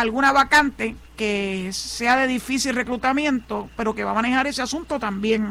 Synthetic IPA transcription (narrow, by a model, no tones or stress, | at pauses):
alɣunaβakant̪e̞ke̞se̞aðe̞ðifisilre̞kɾut̪amjẽ̞nt̪o̞pe̞ɾo̞ke̞βamane̞haɾe̞seasunt̪o̞t̪ambje̞ŋ